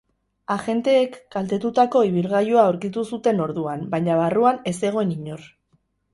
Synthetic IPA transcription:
axe̞nt̪e̞ːkɡalt̪e̞t̪ut̪ako̞iβ̞ilɣajuaoɾkit̪usut̪e̞no̞ɾðuambaɲaβaruane̞se̞ɣ̞o̞eniɲo̞r

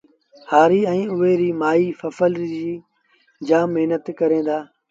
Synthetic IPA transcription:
haːɾiːɛ̃ːʊɦeːɾiːmaːiːfəfəlɾd͡ʒiː | d͡ʒaːmɪɦnət̪kəɾẽːnd̪aː

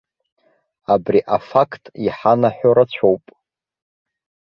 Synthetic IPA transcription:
abriʔafakʰtʼiħanaħʷᶣoɾat͡ɕʷʰowpʼ

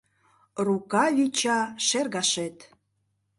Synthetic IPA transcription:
rukɑβʲit͡ɕɑʃerɣɑʃet̪

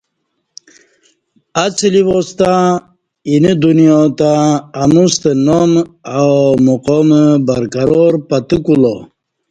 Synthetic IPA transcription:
at͡sliʋost̪ã | inid̪unijot̪aːmust̪ənomawmuqombaɾkaɾoɾpat̪ukulo

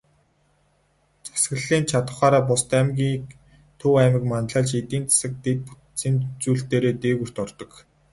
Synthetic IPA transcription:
t͡sḁsɡə̆ɮiːnt͡ɕʰat̪ə̆χaːɾaːpʊst̪æmɡʲiːk | t̪ʰuwæmɪ̆kmanɮaːɮt͡ɕet̪iːnt͡sʰḁsə̆k̚t̪et̪̚pu̥ | siːnt͡ɕuːɬt̪eːɾeːt̪eːɣur̥t̪ɔrt̪ɞ̆k

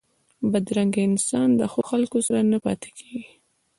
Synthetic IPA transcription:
bad̪ɾaŋɡaɪnsɑnd̪əxoxalkosaɾanapɑ̰t̪e̥kʰeɡi

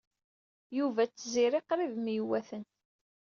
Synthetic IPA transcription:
juvæt͡sːziɾiqɾiðmjwæθənt̪

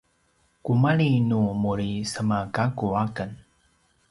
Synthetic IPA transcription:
kumaɭinumuɾisəmakakuakən

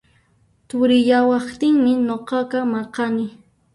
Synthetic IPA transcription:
t̪ʊɾɪjawɑχt̪ɪŋmɪnoqɑqɑmɑqɑnɪ

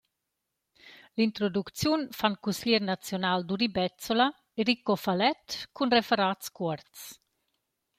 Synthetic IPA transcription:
lint̪ɾod̪uk̪t͡sjunfankusilɛɾnat͡sjonaːld̪uɾibɛt͡sola | eɾikːofalɛt̪kunrefɛɾaːt̪skɔɾt̪s

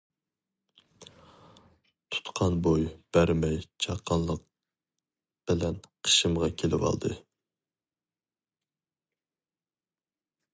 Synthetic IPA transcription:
t̪ʰu̥t̪qʰɑnbojb̥æɾmɛjt͡ʃʰɑqʰːɑnlˠəq̚ | b̥ɪlɛnqʰə̥ʃɨmʁɑkʲʰelɪwɑ̰lˠd̪ɨ

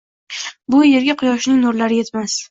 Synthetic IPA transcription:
bʊje̞ɾɡʲaqʰʊjɒʃɪnɪŋnʊɾlaɾɪje̞t̪mas

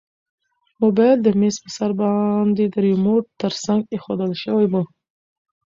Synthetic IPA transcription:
mubɑjad̪̚d̪əmespəsaɾbɑnd̪ed̪əɾimoʈ̚t̪əɾsaŋɡexod̪əlʃəwajwu

